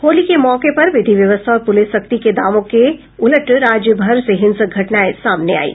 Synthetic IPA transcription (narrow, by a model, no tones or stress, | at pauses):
hoːlikemɔːkepɐɾʋɪd̪ʱiʋjɐʋəst̪ʰaɔːɾpʊlɪsʃɐk̚t̪iked̪aːʋõke | ʊləʈɾaːd͡ʒjəbʱɐɾseɦɪ̃nsəɡʱɐʈnaːesaːmnea̰ːḭː